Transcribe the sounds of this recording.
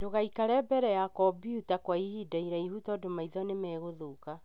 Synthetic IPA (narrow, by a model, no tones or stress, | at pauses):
doɣaikaɾɛbɛɾɛjakɔbiutakwaihidaiɾaihutɔːdomaiðɔnemɛːɣoðoka